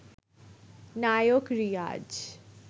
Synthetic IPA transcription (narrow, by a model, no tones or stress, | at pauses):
najokɾija̰d͡ʒ